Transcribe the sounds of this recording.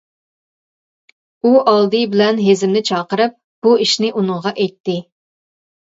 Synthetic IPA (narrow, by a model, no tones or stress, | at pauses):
uʔɑlˠd̪ɨbɪlɛnɦezɪmnɪt͡ʃʰɑːqəɾɨp̚ | b̥uiʃnɪʔunɨɴʁɑʔɛjt̪ʰːɪ